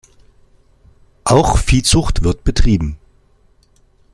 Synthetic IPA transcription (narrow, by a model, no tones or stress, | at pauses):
ʔaʊxfiːt͡sʊχtv̥ɪɐtb̥ətʁ̥iːbm̩